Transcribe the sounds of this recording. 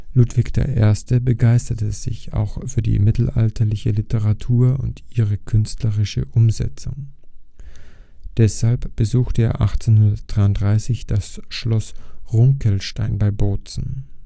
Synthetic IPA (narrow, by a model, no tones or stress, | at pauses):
lutv̥ɪkd̥ḛːɐʔḛːɐstəbəɡaɪstɐtəz̥ɪ̰ça̰ʊxfyːɐdḭːmɪtl̩ʔa̰ltʰɐlɪçəlɪtʰəʁatʰuːɐʊ̰ntiːʁəkʰʏnstləʁɪʃəʔʊmzɛ̰t͡sʊ̰ŋ | d̥ɛshalpb̥əzuːxtəḛːɐʔa̰χt͡senhʊndɐt̚d̥ʁaɪʊntd̥ʁaɪsɪçd̥asʃlɔsʁʊŋkʰəlʃtaɪnbaɪboːt͡sn̩